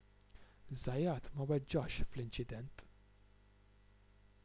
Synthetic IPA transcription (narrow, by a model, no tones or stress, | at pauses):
zːɐjːɐːt̪mɐwɛd͡ʒːɐʃflɪnt͡ʃɪd̪ɛnt̪